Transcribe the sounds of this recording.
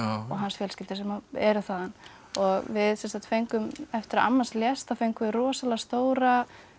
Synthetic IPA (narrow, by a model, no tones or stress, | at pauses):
ɔɣɦansfjɛlscɪlt̪ɪ̥sɛmaɛɾʏθaːðan | ɔɣvɪðsɛnsant̪fejŋkʏmɛft̪ɪɾa̰mːansljɛst̪afejŋkʏɪɾɔːsalast̪oːwɾa